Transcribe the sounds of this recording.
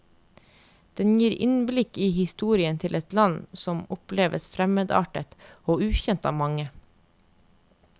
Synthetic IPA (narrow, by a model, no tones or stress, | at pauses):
d̪̥ɛnjiːɾɪ̰nblɪkiːhɪst̪uːɾɪənt̪ʰɪlʔɛt̪lɑnsɔmʊpleːʋəsfɾɛmeːd̪ɑ̰ːʈət̪oːʉːçɛnt̪ɑːmɑŋə